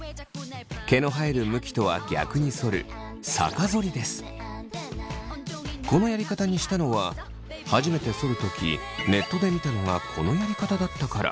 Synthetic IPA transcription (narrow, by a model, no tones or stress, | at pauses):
ke̞no̞ɦaeɾɯ̟mɯ̟kʲi̥t̪o̞βa̰ɡʲa̰kɯ̟ɲ̟iso̞ɾɯ̟̰ | sa̰kazo̞ɾʲid̪e̞sɨ̥ | ko̞no̞jaɾʲikat̪aɲ̟iɕi̥t̪ano̞βa | haʑime̞t̪e̞so̞ɾɯ̟t̪o̞kʲḭ | ne̞t̪ːo̞d̪e̞mʲit̪ano̞ŋakʰo̞no̞jaɾʲikat̪ad̪at̪ːakaɾa̰